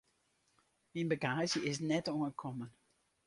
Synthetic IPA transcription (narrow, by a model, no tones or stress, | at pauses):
minbəɡaːzəɪs̬nɛtɔŋəkʰɔmən